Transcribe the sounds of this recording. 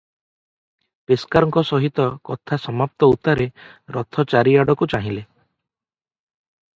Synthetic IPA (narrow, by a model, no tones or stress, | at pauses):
peskaɾɔŋkɔsɔɦit̪ɔkɔt̪ʰasɔmap̚t̪ɔut̪aɾeɾɔt̪ʰɔt͡ʃaɾiaɽɔkut͡ʃaɦĩle